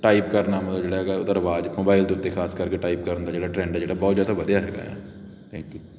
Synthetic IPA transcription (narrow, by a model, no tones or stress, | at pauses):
ʈaːipkəɾnaːm̃ːd̪aːd͡ʒeːɽaːɦɛːɡaʊd̪əɾəʋaːd͡ʒmoːbaːild̪eːʊt̪ːeːkʰaːskəɾkeːʈaːip̚kəɾənd̪aːd͡ʒeːɽaːʈɾɛ̃ːɳɖɛːd͡ʒeːɽaːbɔːt̪zjaːd̪aːʋəd̪ijaːɦɛ̰ːɡa̰ː | t̪ʰɛ̃ːŋkjuː